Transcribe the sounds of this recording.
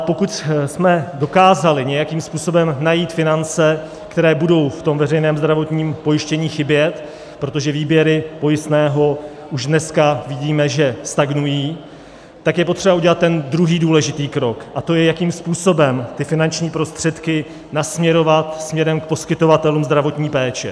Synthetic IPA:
po̞kut̪smɛdo̞kaːzalɪɲɛjakiːmspuːso̞bɛmnajiːt̪fɪnant͡sɛ | kt̪ɛɾɛːbudo̞wft̪o̞mvɛrɛjnɛːmzd̪ɾavo̞t̪ɲiːmpo̞jɪʃcɛɲiːxɪbjɛt̪ | pɾo̞t̪o̞ʒɛviːbjɛɾɪpo̞jɪst̪nɛːɦo̞ | ʔuʒdnɛskavɪɟiːmɛʒɛst̪aɡnujiː | t̪akjɛp̬ot̪r̝̥ɛbaʔuɟɛlat̪ːɛnd̪ɾuɦiːduːlɛʒɪt̪iːkɾo̞kʔat̪o̞jɛjakiːmspuːso̞bɛmt̪ɪfɪnant͡ʃɲiːpɾo̞st̪r̝̥ɛt̪kɪ | nasmɲɛɾo̞vat̪smɲɛɾɛmk̚po̞skɪt̪ovat̪ɛluːmzd̪ɾavo̞t̪ɲiːpɛːt͡ʃɛ̰

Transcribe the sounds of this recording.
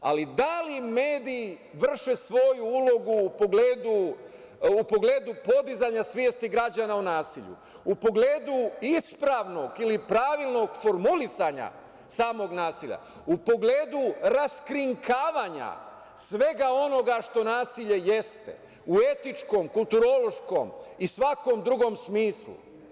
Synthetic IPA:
a̰lid̪alime̞ːd̪iːʋr̩ʃesʋo̞juulˠo̞ɡuːpoɡleːd̪uː | po̞ɡle̞ːd̪upo̞d̪izaɲasʋjeːst̪iɡɾad͡ʑanaunaːsiʎṵ | upo̞ɡleːd̪uispɾaːʋno̞ɡilipɾaːʋilˠno̞ɡfo̞ɾmulisaɲa̰ | saːmo̞ɡnaːsiʎa̰ | upo̞ɡle̞ːd̪uɾaskɾiŋkʰaːʋaːɲa̰ | sʋe̞ɡao̞no̞ɡaʃt̪o̞naːsiʎe̞je̞st̪e̞̰ | ue̞t̪it͡ʃko̞mkulˠt̪uɾo̞lo̞ʃko̞̰misʋako̞md̪ɾuɡo̞msmiːslṵ

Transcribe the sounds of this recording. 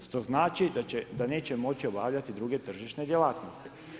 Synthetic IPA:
ʃt̪o̞znaːt͡ʃid̪aed̪ane̞ːt͡ɕemo̞t͡ɕio̞baːʋlʎat̪id̪ɾuɡe̞t̪r̩ʒiʃne̞d̪jelaːt̪no̞st̪i̥

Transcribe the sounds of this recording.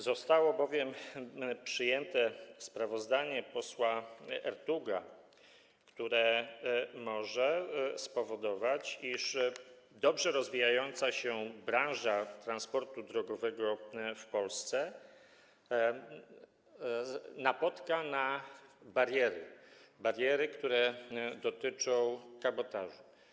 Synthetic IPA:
zɔst̪awɔbɔvʲjɛmpʂɘjɛnt̪ɛspɾavɔzd̪aɲɛpɔswaɛ̰ɾt̪uɡa | kt̪uɾɛ | mɔʐɛspɔvɔd̪ɔvat͡ɕiʂ | d̪ɔbʐɛɾɔzvʲijajɔnt̪saɕɛbɾãnʐat̪ɾanspɔɾt̪ud̪ɾɔɡɔvɛɡɔfpɔlst̪sɛ | napɔt̪kanabaɾjɛɾɘbaɾjɛɾɘkt̪uɾɛd̪ɔt̪ɘt͡ʂɔ̃w̃kabɔt̪aʐu

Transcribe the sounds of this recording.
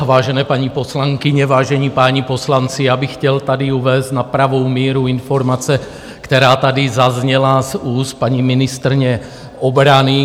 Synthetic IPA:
vaːʒɛnɛːpaɲiposlaŋkiɲɛvaːʒɛɲiːpaːɲiposlant͡sijaːbɪxcɛlt̪adiuvɛːst̪napɾavowmɛːɾuinfoɾmat͡sɛ | kt̪ɛɾaːt̪adizazɲɛlazuːst̪̚paɲimɪnɪst̪ɾɲɛ | ʔobɾani

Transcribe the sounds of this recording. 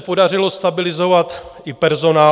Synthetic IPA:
po̞dar̝ɪlo̞st̪abɪlɪzo̞vat̪ɪpɛɾzo̞naː

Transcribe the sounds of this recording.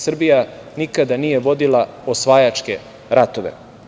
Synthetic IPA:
sr̩bijanikad̪anijeʋo̞d̪ilˠaosʋajat͡ʃkḛ | ɾat̪oʋḛ

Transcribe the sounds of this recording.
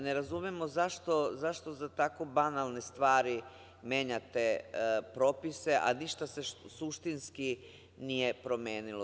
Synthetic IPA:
ne̞ɾazumemozaʃt̪o̞zaʃt̪o̞zat̪ako̞banalˠne̞st̪ʋaːɾi | mje̞ːɲat̪epɾo̞ːpise̞ʔa̰niʃt̪ase̞suʃt̪inski | nije̞pɾo̞mje̞ːnilo

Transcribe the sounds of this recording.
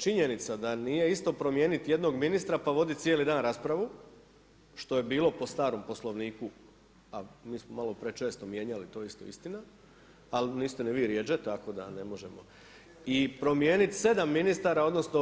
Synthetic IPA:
t͡ʃiɲe̞nit̪sad̪aniːje̞ist̪o̞pɾo̞mjeːnit̪je̞d̪no̞ɡminist̪ɾapaʋo̞d̪it̪sʲjelid̪aːnɾaːspɾaʋu | ʃt̪o̞je̞biːlˠo̞po̞st̪aːɾo̞mpo̞slˠo̞ʋniːku | amiːsmomalo̞pɾet͡ʃe̞ːst̪omje̞ːɲalit̪o̞ːist̪oḭst̪ina | alniːst̪enɛʋiːɾjed͡ʒet̪ako̞d̪a̰ne̞mo̞ʒemo̰ | ipɾo̞mje̞ːnit̪se̞d̪amːinist̪aːɾao̞d̪no̞sno̞

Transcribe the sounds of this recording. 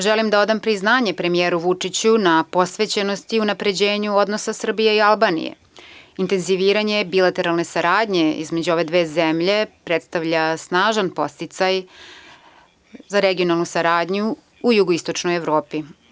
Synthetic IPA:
ʒelimd̪ao̞d̪ampɾiznaːɲe̞pɾe̞mijeːɾuʋut͡ʂit͡ɕunapo̞sʋe̞t͡ɕeno̞st̪iunapɾe̞d͡ʑe̞ːɲuo̞d̪nosasr̩bijeialˠbaːnḭjḛ | int̪e̞nziʋiːɾaɲe̞bilˠat̪e̞ɾalˠne̞saɾaːd̪ɲe̞ḭzme̞d͡ʑuo̞ʋe̞d̪ʋeːzemʎe̞pɾet̪st̪aʋʎasnaːʒanpo̞st̪it̪saj | zaɾeɡio̞nalˠnusaɾaːd̪ɲu | ujuɡoist̪ot͡ʂnojeʋɾoːpi

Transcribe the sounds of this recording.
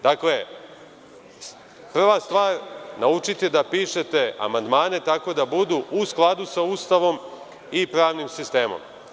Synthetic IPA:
d̪akle | pr̩ʋast̪ʋaːɾnaut͡ʃit̪ed̪apiːʃe̞t̪e̞a̰mand̪maːne̞t̪ako̞d̪abud̪uʔusklˠad̪usaust̪aʋo̞m | ipɾaːʋnimsist̪e̞ːmo̰m

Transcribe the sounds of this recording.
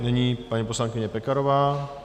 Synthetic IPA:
nɛɲiːpaɲiposlaŋkɪɲɛpɛkaɾovaː

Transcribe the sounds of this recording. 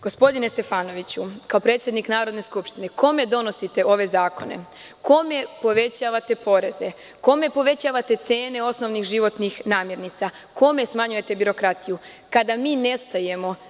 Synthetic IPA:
ɡ̥o̞spo̞d̪ine̞st̪e̞faːno̞ʋit͡ɕukaopɾe̞ːt̪sʲjed̪niknaːɾo̞d̪ne̞skupʃt̪ine̞ko̞me̞d̪o̞no̞sit̪e̞o̞ʋe̞zaːko̞̰ne̞̰ | ko̞me̞po̞ʋe̞t͡ɕaːʋat̪e̞po̞ɾe̞ze̞ | ko̞me̞po̞ʋe̞t͡ɕaːʋat̪e̞t̪se̞ːne̞o̞sno̞ʋnixʒiʋo̞t̪nixnaːmje̞ɾnit̪sa | ko̞me̞smaɲuje̞t̪e̞biɾo̞kɾat̪iju | kad̪amiːne̞st̪aje̞mo̞

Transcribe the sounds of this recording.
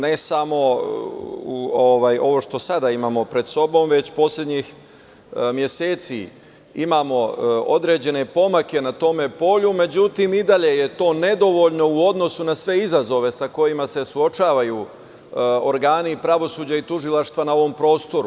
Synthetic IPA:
nesamo̞ | uoʋajo̞ʋo̞ʃt̪o̞sad̪aimaːmo̞pɾe̞d̪so̞bo̞mʋe̞t͡ɕpo̞sʎʲe̞d̪ɲix | mje̞seːt̪sḭ | imaːmo̞od̪ɾe̞d͡ʑe̞ne̞po̞make̞nat̪o̞me̞po̞ʎume̞d͡ʑut̪imid̪aʎe̞je̞t̪o̞ːne̞d̪o̞ʋo̞ʎno̞uo̞d̪no̞sunasʋe̞izazo̞ʋe̞sako̞jimase̞suo̞t͡ʃaːʋaju | oɾɡaːnipɾaʋo̞suːd͡ʑait̪uʒilˠaʃt̪ʋanao̞ʋo̞mpɾo̞ːst̪o̞ɾu

